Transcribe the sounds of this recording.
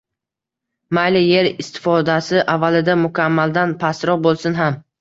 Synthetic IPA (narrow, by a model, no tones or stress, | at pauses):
majlɪje̞ɾɪst̪ʰɪ̥fɒd̪asɪʔavːalɪd̪amʊkʲʰamːald̪anpʰasɾɒbolˠsɪnɦam